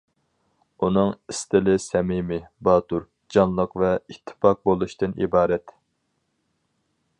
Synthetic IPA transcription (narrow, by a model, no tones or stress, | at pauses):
unɨŋist̪ɪlɪsɛmimɪbɑːt̪uɾ | d͡ʒɑnlˠəqvɛit̪ʰːɪ̥pɑq̚bolˠuʃt̪ɨnḭbɑːɾɛt̪